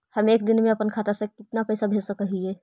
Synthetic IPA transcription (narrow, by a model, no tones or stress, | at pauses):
hɐmeːk̚d̪ɪnmẽɐpənkʰaːt̪asekɪt̪napɛːsabʱeːsəkəɦiɛː